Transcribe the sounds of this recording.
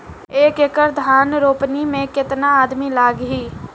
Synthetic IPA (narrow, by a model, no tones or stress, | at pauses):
eːkekəɾd̪ʱaːnɾoːpnimẽkɪt̪naaːd̪milaːɡɦiː